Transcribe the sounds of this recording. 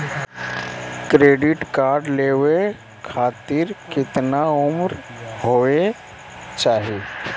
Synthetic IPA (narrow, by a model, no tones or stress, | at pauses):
kɾeːɖɪʈkaːɾɖleːwe | kʰaːt̪ɪɾkɪt̪naʊmɾɦoːe | t͡ʃaːɦie